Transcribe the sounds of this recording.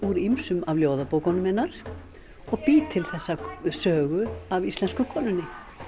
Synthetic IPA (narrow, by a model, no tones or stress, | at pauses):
uɾimsʏmavljoːwðapoːwkɔnʏmɛnːaɾ̥ | ɔɣpiːt̪ʰɪlθɛsːasœːɣʏavist̪lɛnskʏkʰɔːnʏnːɪ